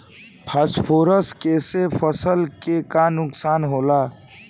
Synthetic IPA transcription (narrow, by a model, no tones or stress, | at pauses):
pʰaspʰoɾəskesepʰəsəlkekanʊksaːnɦoːla